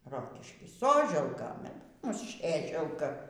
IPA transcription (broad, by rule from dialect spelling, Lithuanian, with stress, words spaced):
ˈroːkʲɪʃʲkʲiː ˈsoːʒʲɛlˠkɐ ˈmʊs ˈsʲeːʒʲɛlˠkɐ